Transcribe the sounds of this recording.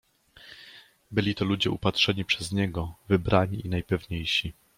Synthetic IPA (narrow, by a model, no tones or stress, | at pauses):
bɘlʲit̪ɔlud͡ʑɛʔupatʂɛɲipʂɛzɲɛɡɔvɘbɾaɲiinajpɛvɲejɕi